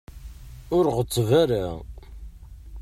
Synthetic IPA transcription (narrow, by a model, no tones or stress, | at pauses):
ʊɾʁət̪ˤːvaɾa